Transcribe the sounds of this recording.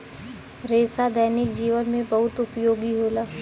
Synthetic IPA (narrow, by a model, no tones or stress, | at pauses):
ɾeːsad̪əːnɪkd͡ʒiːʋənmẽbɐɦʊt̪ʊpjoːɡiɦoːlaː